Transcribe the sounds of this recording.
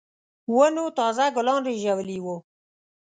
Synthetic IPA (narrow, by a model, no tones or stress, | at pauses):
wənot̪ɑzaɡʊlɑnɾeʒawliwu